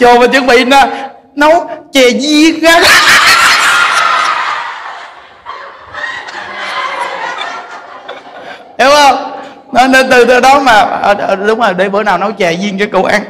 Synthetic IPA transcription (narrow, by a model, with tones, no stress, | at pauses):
t͡ɕo˨˩maː˨˩t͡ɕɨ˨˧˦ŋɓḭ˧˨naː˨˩ | nɔ˨˦wt͡ɕɛ˨˩zi˧əŋɣaː˨˦˥k | e˨˦whə˧wŋ͡m | nɔ˨˦ne˧nt̪ɨ˨˩t̪əː˨˦ɗɔ˨˦maː˨˩ə˨˩ə˨˩ɗʊ˨˦wŋ͡mzo˨˩jɗe˧˩ɓəː˧˦naː˨˩wnɔ˨˦wt͡ɕɛ˨˩zi˧ŋkəː˨˦ko˧˩wʔa˧n